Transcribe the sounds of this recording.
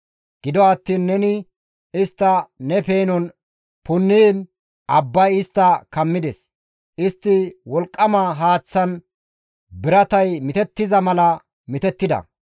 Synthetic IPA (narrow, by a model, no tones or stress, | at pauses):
ɡ̥ɪd̪ɔɐt̪ːiːnːɛnɪ | ɪst̪ːɐnɛpe̞ːnɔn | pʊnːiːn | ʔɐbːɐjɪst̪ːɐkɐmːɪd̪ɛs | ɪst̪ːɪwɔlkʼːɐmaɦaːt͡sːɐn | bɪɾɐt̪ɐjmɪt̪ɛt̪ːɪzɐmɐlɐ | mɪt̪ɛt̪ːɪd̪ɐ̰